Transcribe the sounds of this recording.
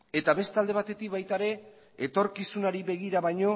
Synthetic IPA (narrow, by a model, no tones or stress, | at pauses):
e̞t̪aβe̞st̪ald̪e̞β̞at̪e̞t̪ik̚βajt̪aɾe̞ː | t̪o̞ɾkisunaɾiβe̞ɣiɾaβajɲo̞